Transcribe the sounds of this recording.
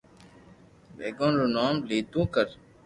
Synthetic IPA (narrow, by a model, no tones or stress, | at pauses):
ʋḛːɡõːnɾunaːmliːt̪ũːkəɾ